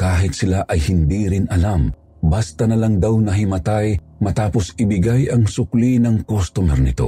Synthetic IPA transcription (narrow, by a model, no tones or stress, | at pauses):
kaːɦɪt̪̚sɪlaʔɐjhɪnd̪iɾɪnʔɐlam | bast̪ɐnɐlaŋd̪awnɐɦɪmɐt̪aj | mɐt̪aːposɪbɪɡajɐŋsʊklinɐŋkost̪omɛɾnɪt̪o̞̰